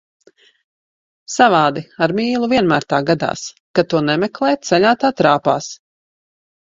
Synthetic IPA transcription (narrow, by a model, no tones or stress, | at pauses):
savaːd̪iaɾmiːlˠuviɛnmæːɾt̪aːɡad̪a̰ːs | kat̪uɔnɛmɛklˠɛːt̪sɛʎʲaːt̪aːt̪ɾaːpa̰ːs